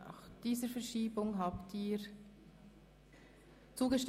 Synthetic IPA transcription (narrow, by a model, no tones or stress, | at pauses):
a̰xd̥iːzəɾfɛɐɹʃiːbʊŋɦaːptiːɹ | t͡suːɡəʃt